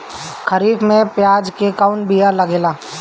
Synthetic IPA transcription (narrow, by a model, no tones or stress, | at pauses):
kʰəɾiːfmẽpjaːd͡ʒkekaʊɳ̚bijalɐɡeːlaː